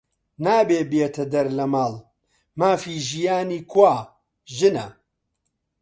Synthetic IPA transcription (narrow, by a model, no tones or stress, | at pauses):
naːbeːbjet̪ʰɐd̪ɐɾlɐmaːl | maːfiːʒijaːniːkʰwaː | ʒɨnɐ